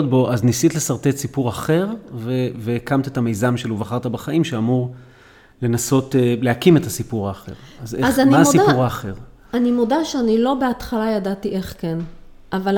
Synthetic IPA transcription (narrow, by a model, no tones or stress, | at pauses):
ot̚bo̞ʔaznisit̪le̞saʁt̪etsipuʁaχe̞ʁveveːkamt̪et̪ame̞jzamʃeluvaχaʁt̪abeχaimʃeamuʁ | le̞naso̞tele̞akimetasipuʁaːχe̞̰ʁazezamasipuʁaːχe̞ʁ | animodaʃeanilo̞beatχalajadatiʔe̞χken | ʔaval